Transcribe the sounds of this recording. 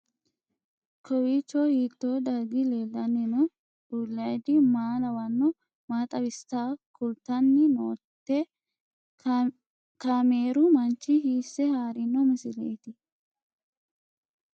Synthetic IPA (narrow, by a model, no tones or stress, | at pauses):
kʰɔwit͡ʃːɔhiːt̪ːoːd̪ɐɡɪleːlːɐnːɪnɔ̥ | ʊlːɐjd̪ɪmaːlɐwɐnːɔ | maːt̪ʼɐwɪst̪aːkʊlt̪ːɐnːɪnoːt̪ːɛ | kameːɾʊmɐnt͡ʃːɪhiːsːɛhaːɾɪnːɔmɪsɪleːt̪ɪ